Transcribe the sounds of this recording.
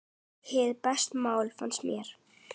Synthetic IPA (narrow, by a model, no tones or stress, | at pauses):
hɪðpɛst̪maːwlfanst̪mjɛɾ̥